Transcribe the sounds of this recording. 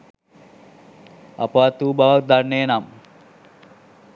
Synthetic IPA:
a̰paːt̪uːbaʋak̚d̪anːeːnam

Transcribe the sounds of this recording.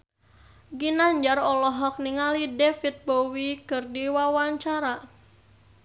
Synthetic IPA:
ɡinaɲd͡ʒarɔlɔɦɔk̚niŋalidɛfit̪̚bowikɨrdiwawaɲt͡ʃaɾa

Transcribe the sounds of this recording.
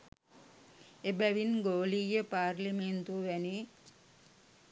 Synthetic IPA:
ebɛʋinɡoːlijəpaːɾliment̪uʋɛni

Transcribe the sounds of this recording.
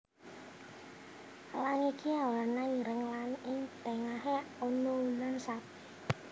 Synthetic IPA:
laŋikʰiawlarnaiɾəŋlanɪŋt̪ɛŋaɦeonounansapi

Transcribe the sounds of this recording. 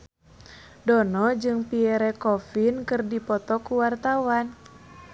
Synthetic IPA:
dɔnɔd͡ʒɨŋpiɛɾɛkɔfinkɨrdipɔt̪ɔkuwart̪awan

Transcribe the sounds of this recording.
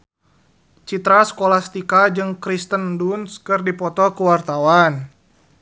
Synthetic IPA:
t͡ʃit̪ɾasə̥kolast̪ikad͡ʒɨŋkɾist̪əndunskɨrdipɔt̪ɔkuwart̪awan

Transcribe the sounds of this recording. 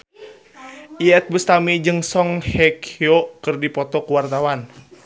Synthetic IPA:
ʔiɛt̪̚bəst̪amid͡ʒɨŋsɔŋhɛkʰiokɨrdipɔt̪ɔkuwart̪awan

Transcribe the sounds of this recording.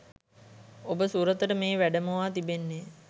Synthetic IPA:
obəsuɾət̪əʈəmeːʋæɖəməʋaːt̪ibenːe

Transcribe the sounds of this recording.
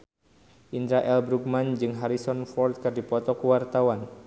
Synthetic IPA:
ʔind̪ɾaʔɛlbɾuk̚mand͡ʒɨŋɦaɾisɔnfɔrt̪̚kɨrdipɔt̪ɔkuwart̪awan

